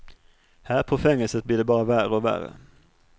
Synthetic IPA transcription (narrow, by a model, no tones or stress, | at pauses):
hæːɾpʰɔfɛŋːəlsət̪̚blɪːɖɛbɑːɾaværəɔvæ̰rːə̰